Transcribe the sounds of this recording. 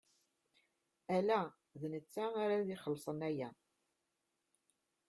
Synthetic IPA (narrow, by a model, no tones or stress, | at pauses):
ælæ | ðnət͡sːaaɾaðiχəlːsˤənæjæ